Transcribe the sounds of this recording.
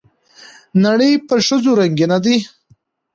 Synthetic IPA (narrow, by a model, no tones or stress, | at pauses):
naɽəjpəʃəzoɾaŋɡenad̪i